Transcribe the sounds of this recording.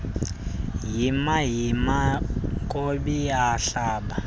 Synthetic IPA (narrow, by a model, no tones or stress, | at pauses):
jimaɦjimakʼobiaɬaːɓa